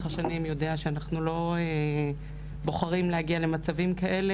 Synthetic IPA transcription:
χaʃanimjo̞de̞aʃeanaχnulo̞e | bo̞χaʁimlehaɡiale̞mat͡savimkaʔe̞le

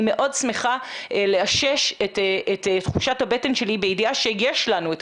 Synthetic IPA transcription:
me̞ʔo̞dsmeχaeleaʃeʃetettχuʃathabete̞nʃe̞libeidiaʃejeʃlanuet

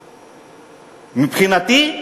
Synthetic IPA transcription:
mipxinat̪i

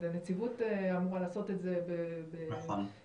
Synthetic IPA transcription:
anet͡sivuteamuʁalaːso̞te̞tzebebe

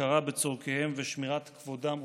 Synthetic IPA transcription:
aʁabet͡soʁkehe̞mveʃmiʁat̪kvodam

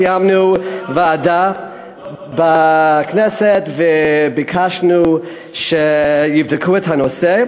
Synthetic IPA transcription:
jamnuvaːda | baknɛsɛtvɛbikʰaʃnu | ʃejivdɪkʰuɛthanose

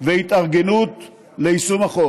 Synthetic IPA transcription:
vehit̪aʁɡenut̪ | leisumaχo

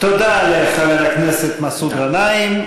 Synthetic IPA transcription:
t̪od̪aleχaveɾaknɛset̪masud̪ʁanaim

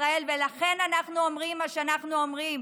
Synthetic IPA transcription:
ʁae̞lvelaχe̞nanaχnuo̞mʁimːaʃeanaχnuomʁim

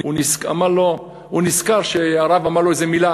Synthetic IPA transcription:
unisa̰maʁlo | huniskaʁʃeaʁavamaʁlo̞ezemila

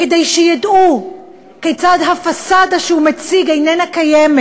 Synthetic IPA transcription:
ke̞dejʃejadʔu | kejt͡sadɦafasadaʃehumet͡siɡejnenakajeme

